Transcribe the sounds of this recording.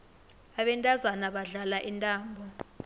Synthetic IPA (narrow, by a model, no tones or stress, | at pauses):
aɓɛntʼazwanaɓaɮalaʔintʼaːmbʱɔ